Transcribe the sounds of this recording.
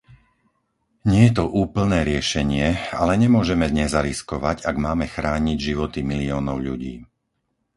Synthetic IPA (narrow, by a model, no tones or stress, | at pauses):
ɲɪɛjɛt̪ɔʔuːpl̩nɛːɾɪɛʃɛɲɪɛa̰lɛɲɛmʊɔʒɛmɛd̪ɲɛzaɾiskɔʋaɟaɡmaːmɛxɾaːɲiɟʒiʋɔt̪imiliɔːnɔʊʎuɟiː